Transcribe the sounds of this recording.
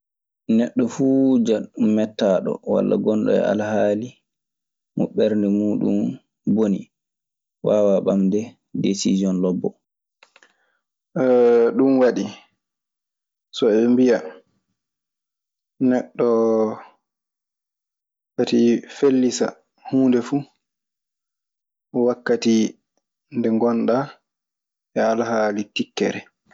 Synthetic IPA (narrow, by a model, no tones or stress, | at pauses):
nɛɗːɔfuːd͡ʒamɛtːaːɗɔ̰wa̰lːa̰ɡɔnɗɔ̰ɛ̰a̰lhaːli | muɓɛɾndɛmuːɗṵm | bonḭ | waːwaɓamdɛ | desizjɔnlɔbːɔ | ɗumwaɗi | sɔɛmbija | nɛɗːɔ | katifelːisa̰ | huːndɛfu | ɔwakːati | ndɛŋɡɔnɗa | ʔɛalaɦaːlitikːɛ̰ɾɛ